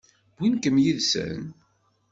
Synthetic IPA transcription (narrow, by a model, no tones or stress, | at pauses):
b̥inkəmjiðsə̰n